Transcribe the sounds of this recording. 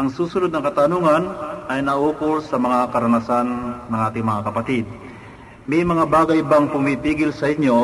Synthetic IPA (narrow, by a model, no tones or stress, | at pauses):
ʔɐŋsuːsʊnod̪̚nɐŋkɐt̪ɐnuŋɐnʔɐjnɐʔuːkʊlsɐmɐŋakɐɾɐnɐsanːɐŋʔaːt̪ɪŋmɐŋakɐpɐt̪id̪̚ | mɛjmɐŋabaːɡɐjbaŋpʊmpipiːɡɪlsɐʔɪɲjo